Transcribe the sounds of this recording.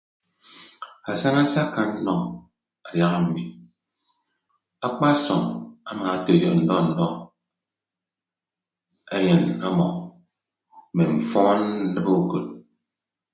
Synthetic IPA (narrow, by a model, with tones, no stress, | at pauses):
a˨sa˦na˦sa˦ka˨n̩˦nɔ˨ | a˨ja˦ɣa˦˨m̩˨mi˨ | a˦k͡pa˦sɔ˨ŋa˦ma˨a˦te˨jə˨kn̩˨dɔ˦˨n̩˨dɔ˦ | e˦je˨na˦mɔ̰˨ | me˨m̩˨fɔ˦n̩˦dɨ˦bo˦o˨ko˨t̚